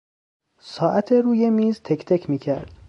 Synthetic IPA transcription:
sɒːʔæt̪ʰe̞ɾuːje̞miːzt̪ʰekʰt̪ʰekʰmiːcʰæɾd̪̥

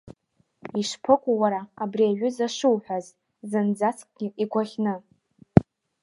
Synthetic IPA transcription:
iʂpʰɨkʷʼuwaɾaabriaɥʷᶣʏzaʂɨwħʷᶣaz | zɨnd͡zat͡skʼɡ̥ʲiikʷʰaχʲnɨ

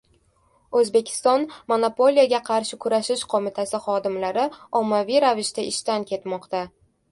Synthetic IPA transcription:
ɵzbe̞kʲʰɪ̥st̪ɒnmonopo̞lʲijaɡʲaqʰɑɾʃɪkʰʊɾaʃɪʃqʰomɪt̪ʰasɪχɒd̪ɪmlaɾɪɒmːavijɾavɪʃt̪aɪʃt̪ankʲʰe̞t̪mɒqt̪a

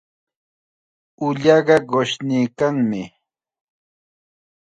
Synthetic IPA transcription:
ʊʎɑɢɑɢoʃniːkaŋmɪ

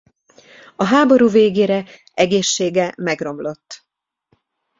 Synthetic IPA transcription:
ɒɦaːbo̞ɾuːveːɡeːɾɛ | ʔɛɡeːʃːeːɡɛmɛɡro̞mlo̞t̪ː

